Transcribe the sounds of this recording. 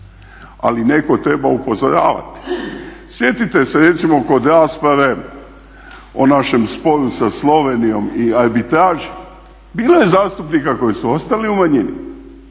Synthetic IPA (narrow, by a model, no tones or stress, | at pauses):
a̰line̞ko̞t̪ɾebaupo̞zoɾa̰ːʋa̰t̪i̥sje̞t̪it̪e̞seɾe̞t̪simo̞ko̞d̪ɾaːspɾaʋe̞ | o̰naʃe̞mspo̞ɾusaslˠo̞ʋenijo̞miaɾbit̪ɾaːʒe | biːloje̞zaːst̪upnikako̞jisuo̞st̪aliumaɲinḭ